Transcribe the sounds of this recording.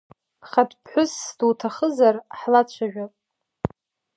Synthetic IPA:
χadpʰħʷʊsduwtʰaχəzarħlat͡ɕʷʰaʒᶣapʼ

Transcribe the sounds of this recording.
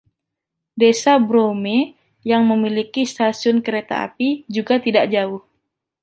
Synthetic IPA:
desabɾome | jaŋməmilikist̪asiʊnkəɾet̪a̰a̰pid͡ʒuɡat̪idaʔ̚d͡ʒaʊh

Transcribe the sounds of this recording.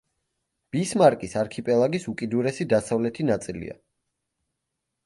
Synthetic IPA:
b̥ismaɾkʼisaɾkʰipʼɛlˠaɡisukʼid̪uɾɛsid̪asavlɛt̪ʰinat̪sʼilḭa̰

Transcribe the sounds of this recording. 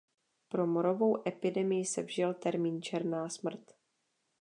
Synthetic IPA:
pɾo̞moɾo̞vo̞wʔɛpɪdɛmɪjɪsɛvʒɪlt̪ɛɾmiːnt͡ʃɛɾnaːsmr̩t̪

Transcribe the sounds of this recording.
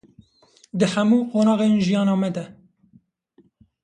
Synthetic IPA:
d̪ɨhæmuːqoːnɑːɣeːnʒijɑːnɑːmɛd̪ɛ

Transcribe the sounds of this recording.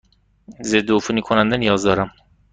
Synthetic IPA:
zed̪ːofunikʰonænd̪ænijɒːzd̪ɒːɾæm

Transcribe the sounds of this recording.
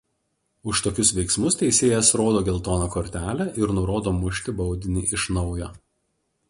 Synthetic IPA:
ʊʃt̪oːkʲʊsʋʲɛɪksmʊst̪ʲɛɪsʲeːjɛsɾoːd̪oːɡʲɛlˠt̪oːnokoːɾʲt̪ʲæːlʲæʔɪɾnʊɾoːd̪oːmʊʃʲt̪ʲɪbɒʊd̪ʲɪnʲiːʔɪʃnɒʊjoː

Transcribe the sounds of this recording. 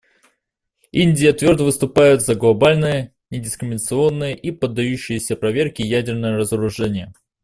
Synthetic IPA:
inʲdʲɪjət̪vʲo̞rd̪əvɨst̪ʊpajʊt̪zɐɡlˠɐbalʲnɨjə | nʲɪdʲɪskɾʲɪmʲɪnət̪sɨo̞nːɨjəʔipəd̪ːɐjʉɕːɪjɪsʲəpɾɐvʲe̞rkʲɪjædʲɪrnəjəɾəzəɾʊʐɛnʲɪjə

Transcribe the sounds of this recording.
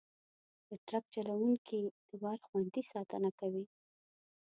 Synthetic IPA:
d̪̥əʈɾak̚t͡ʃalawuŋkʰid̪̥əwɑɾxwand̪isɑt̪ə̰nakawi

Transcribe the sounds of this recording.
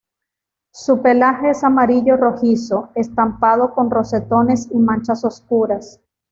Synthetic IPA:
supe̞laxe̞esamaɾiʝo̞ro̞xiso̞e̞st̪ampað̞o̞ko̞nro̞se̞t̪o̞ne̞simãnt͡ʃaso̞skuɾas

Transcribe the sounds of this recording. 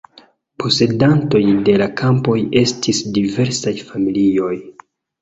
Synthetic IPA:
pʰo̞se̞danto̞jde̞lakʰampo̞je̞stʰisdive̞ɾsajfamilio̞j

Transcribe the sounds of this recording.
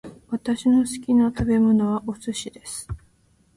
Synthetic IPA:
βat̪aɕino̞sɨ̥kʲinat̪abe̞mo̞no̞βaʔosɨɕid̪e̞sɨ̥

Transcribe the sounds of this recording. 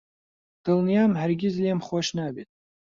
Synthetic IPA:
d̥ɨlnijamħarɡʲɪzliamχaʃnabetʼ

